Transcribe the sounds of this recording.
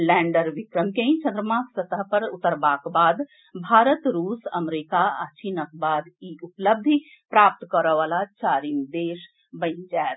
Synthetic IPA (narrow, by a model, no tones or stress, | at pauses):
lɛ̃ːɳɖəɾʋikɾəmkẽĩt͡ʃʰənd̪ɾəmãːksət̪əɦpəɾut̪əɾbaːkbaːd̪ | bʱaːɾət̪ɾuːsəmɾikaa̰t͡ʃiːnək̚baːd̪iupləb̚d̪ʱi | pɾaːp̚t̪kəɾəʋaːlat͡ʃaːɾimd̪eːʃ | bə̃ɪnd͡ʒaːet̪